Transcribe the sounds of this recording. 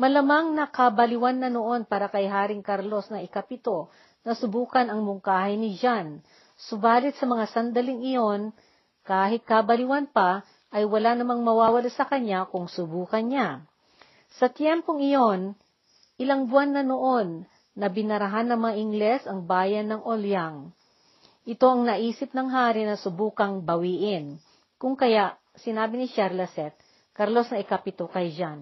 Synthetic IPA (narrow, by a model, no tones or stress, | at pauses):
mɐlɐmaŋnɐkɐbɐlɪwanːɐnoʔo̞npaːɾɐkɐjɦaːɾɪŋkaɾlo̞snɐɪkapɪt̪o̞ | nɐsʊbuːkɐnɐŋmʊŋkaːhɪnɪd͡ʒan | sʊbaːlɪt̪̚sɐmɐŋasɐnd̪ɐlɪŋɪjo̞n | kaːɦɪt̪̚kɐbɐlɪwanpɐ | ʔɐjwɐlanɐmaŋmɐwaːwɐlasɐkɐɲakʊŋsʊbuːkɐnɲa | sɐt̪jɛmpo̞ŋɪjo̞n | ʔɪlaŋbwanːɐnoʔo̞nː | ɐbɪnɐɾɐɦanːɐŋmɐŋaʔɪŋɡlɛsɐŋbaːjɐnːɐŋʔoljaŋ | ʔɪt̪o̞ʔɐŋnɐʔiːsɪp̚nɐŋɦaːɾɪnɐsʊbuːkɐŋbɐwiːʔɪn | kʊŋkɐjaʔ | sɪnaːbɪnɪʃɛɾlɐsɛt̪̚ | kɐɾlo̞snɐʔɪkɐpɪt̪okɐjd͡ʒan